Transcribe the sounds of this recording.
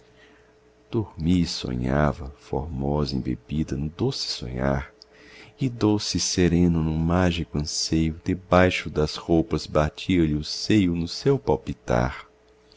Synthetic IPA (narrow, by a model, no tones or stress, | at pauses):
d̪̥oɾmisõ̰ɲavɐfo̰ɾmɔzɐḭ̃bḛbid̪ɐnd̪osɪ̥sõ̰ɲa̰ɾ | ɪd̪osɪseɾẽnʊnʊmaʒikʊɐ̃sejʊd̪ebajʃʊd̪ɐshowpɐzbat͡ʃʰiɐlɪʊsejʊnʊsewpawpit̪a̰ɾ